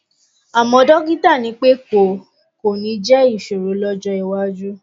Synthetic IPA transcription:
a˨mɔ̃˧˦dɔ˦ɡi˦ta˦˨nĩ˨˧˦k͡pe˦ko˨ | ko˨nĩ˨˧˦d͡ʒɛ˦i˦˨ʃo˨ɾo˨˦lɔ˦d͡ʒɔ˧i˨wa˦d͡ʒu˦

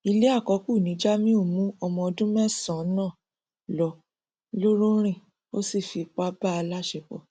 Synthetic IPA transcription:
i˧le˦a˦˨kɔ˨˦ku˦˨nĩ˨˦d͡ʒa˦mĩ˦o˦˨mũ˦ɔ˧mɔ̃˧ɔ˧dũ˦mɛ̃˦sɔ̃˨˦nã˦˨ | lɔ˧˦ | lo˦ɾo˦ɾ̃ĩ˦˨ | o˦si˦˨fi˨˧k͡pa˦ba˦a˧la˦ʃe˧˨k͡pɔ̰˨

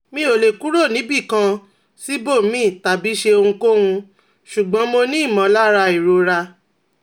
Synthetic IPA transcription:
mĩ˦o˨le˨ku˨˦ɾo˦˨nĩ˨˦bi˦˨kã˧ | si˦bo˦˨mĩ˦˨ta˨bi˨˦ʃe˧o˧hũ˧ko˦hũ˧ | ʃu˨ɡ͡bɔ̃˨˦mo˧nĩ˦˨mã˨˦la˦ɾa˧i˨ɾo˧ɾa˧

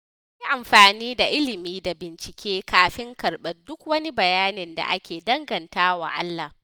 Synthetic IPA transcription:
ji˦ʔa˨mɸaː˨niː˦da˨ʔɪ˦lɪ˨miː˦da˨bɪ˨nt͡ʃɪ˨kʲeː˦kaː˨ɸɪ˦ŋkɐ˨rɓɐ˦rdʊ˦kwɐ˦ni˦bɐ˨jaː˦nɪ˨nda̰˨ʔa˦kʲeː˨dɐ˦ŋɡɐ˨ntaː˦wa̰˨ʔa̰˦lːa˨

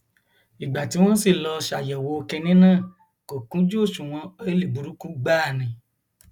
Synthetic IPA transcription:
i˨ɡ͡ba˨ti˨˦w̃ɔ̃˦si˦˨lɔ˧ʃa˨jɛ˨wo˨˦˧kɛ˧nĩ˦nãː˦˨ | ko˨kũ˨˦d͡ʒu˦o˦˨ʃũ˨w̃ɔ̃˧e˦li˨bu˨ɾu˨˦kũ˦ɡ͡baː˦˨nĩ˨

